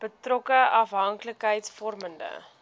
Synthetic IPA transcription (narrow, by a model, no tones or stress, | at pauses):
b̥ətrɔkəɐfɦɐŋkləkɦəjtsfɔrməndə̰